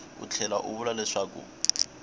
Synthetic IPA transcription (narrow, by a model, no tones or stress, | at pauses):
ʊ̰t͡ɬʰɛlaʔʊ̰βʊlalɪʂakʼṵ